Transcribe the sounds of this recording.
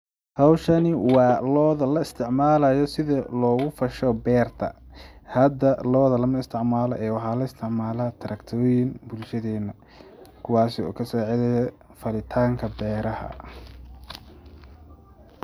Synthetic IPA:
hɑwʃɐnɪwɑːlɔːðɐlɐɪst̪ʰɪʕmaːlɐjɔsɪðɐlɔːɣʊfɐʃɔbɛːrt̪ʰɐ̰hɐd̪ɐlɔːðɐlɐmɐɪst̪ʰɪʕmaːlɔ̰ʔɛːwɑħaːlɐɪst̪ʰɪʕmaːlaːt̪ʰɐɾɐkt̪ʰɔːjɪnbʊlʃɐðɛːnɐ | kʰʊwɑːsɪɔ̰ːkʰɐsɔːʕɪðɛjɐ | fɐlɪt̪ʰaːŋkʰɐbɛːɾɐhɐ̰

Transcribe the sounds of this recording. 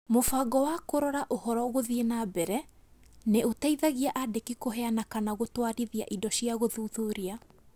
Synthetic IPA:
mofaɡɔwakoɾɔɾaʔohɔɾɔɣoðienabɛɾɛ | neotaiðaɣiaʔadekikoɦɛanakanaɣotwaɾiðia̰ʔidɔɕiaɣoðuðuɾia

